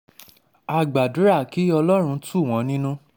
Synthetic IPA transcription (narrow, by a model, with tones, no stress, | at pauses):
a˧ɡ͡ba˨du˨˦ɾa˦˨ki˨˦ɔ˧lɔ˦ɾ̃ũ˧tu˦˨w̃ɔ̃˨˧˦nĩ˦nũ˦